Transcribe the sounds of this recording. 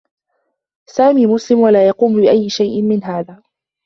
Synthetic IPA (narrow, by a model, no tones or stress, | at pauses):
saːmiːmʊslɪmwalaːjɑquːmbɪʔajːɪʃajʔɪmmɪnɦaːðaː